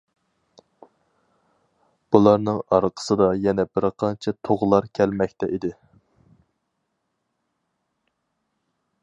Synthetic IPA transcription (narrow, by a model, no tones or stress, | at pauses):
b̥ulˠɑɾnɨŋɑɾqʰə̥sɨd̪ɑjɛnɛbɪɾqʰɑnt͡ʃʰɛt̪ʰoʁlˠɑɾkʲʰɛlmɛkʲt̪ɛʔid̪ɪ